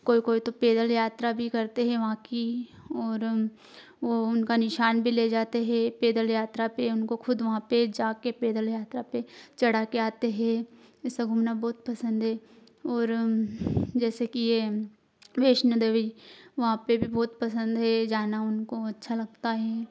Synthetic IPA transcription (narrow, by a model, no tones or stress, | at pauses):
koːikoːit̪opeːd̪əljaːt̪ɾabʱikɐɾt̪eɦɛ̃ʋɐɦãki | ɔːɾ | ʋoʊnkanɪʃaːnbʱileːd͡ʒaːt̪eɦɛ̃peːd̪əljaːt̪ɾapeʊnkoxʊd̪ʋɐɦãped͡ʒaːkepeːd̪əljaːt̪ɾapet͡ʃɐɽ̤aːkeaːt̪eɦɛ̃ː | ɪsaɡʱʊmnabɔːt̪̚pɐsə̃nd̪ɦɛː | ɔːɾ | d͡ʒɛːsekije | ʋeːʃnəd̪eʋiʋɐɦãpebʱibɔːt̪pɐsə̃nd̪ɦɛd͡ʒaːnaʊnkoɐtːʃʰalɐɡt̪aɦɛː